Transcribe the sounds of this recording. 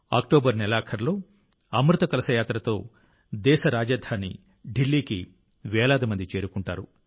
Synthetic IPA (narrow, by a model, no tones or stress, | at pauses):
a̰ːkʈoːbɐɾnɛlaːkʰɐɾlo̞ː | ɐmɾut̪ɐkɐlɐsɐjaːt̪ɾɐt̪o̞ː | d̪ɛːʃɐɾaːd͡ʒɐd̪ʱaːnḭ | ɖilːiːki | ʋɛːlaːd̪imɐnd̪it͡ʃe̞ːɾukuɳʈa̰ːɾu